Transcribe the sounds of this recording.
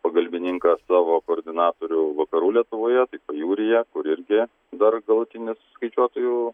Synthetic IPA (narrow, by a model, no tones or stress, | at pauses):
pɐɡɐlʲbʲɪnʲɪŋkɑsɑːʋoːkoːɾʲd̪ʲɪnɑːt̪oːɾʲʊʋɐkɐɾuːlʲiɛt̪ʊʋoːjɛt̪ɐɪpɐjuːɾʲɪjɛkʊɾɪɾʲɡʲɪ | d̪ɐrɡɐlˠʊt̪ʲɪnʲɪsskɐɪt͡ʃʲuɔt̪oːjuː